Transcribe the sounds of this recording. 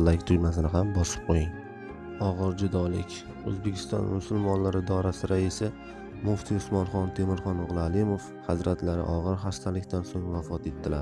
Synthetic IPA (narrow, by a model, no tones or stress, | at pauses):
lːakʲt̪ʰʊjmas̬ɪnɪɦambɒsɪ̥p̚qʰojɪŋ | ɒʁɨɾd͡ʒʊd̪ɒlɪkʲ | ɵzbekʲʰɪ̥st̪ɒ̰nmʊsʊlˠmɒnlaɾɪd̪ɒɾasɪɾaɪsɪ | mʊft̪ʰiʊsmɒnχɒnt̪ʰe̞mɪɾχɒnʊʁlˠɪalɪmof | hazɾat̪ʰlaɾɪ̰ʔɒʁɨɾɦast̪ʰalɪkʲt̪ansoŋvafɒt̪e̞t̪ːɪlaɾ